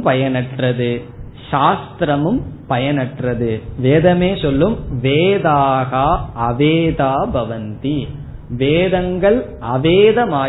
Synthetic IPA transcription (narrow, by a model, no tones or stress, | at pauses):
pɐjɐnɐʈrɐðɯ | ʂaːst̪ɾɐmɯmpɐjɐnɐʈrɐðɯʋeːðɐmeːsɔlːɯmʋeːðaːɣaːɐʋeːðaːbʱɐʋɐnt̪i | ʋeːðɐŋɡɐɭ | ɐʋeːðɐmaː